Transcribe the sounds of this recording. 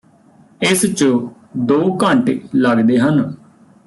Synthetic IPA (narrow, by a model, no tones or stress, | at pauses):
ɪst͡ʃ | d̪oːkəɳʈləɡd̪eːɦən